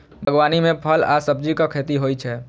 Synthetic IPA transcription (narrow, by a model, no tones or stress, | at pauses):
bʱəɡwaːnimẽpʰəla̰səb̚d͡ʒikakʰet̪iɦoːit͡ʃʰɛ